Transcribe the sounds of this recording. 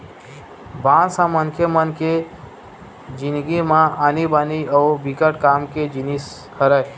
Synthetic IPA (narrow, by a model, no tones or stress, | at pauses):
bãsãmənkʰemənke | d͡ʒind̪ɡimãanibaniaubikəʈkamked͡ʒinis | kəɾə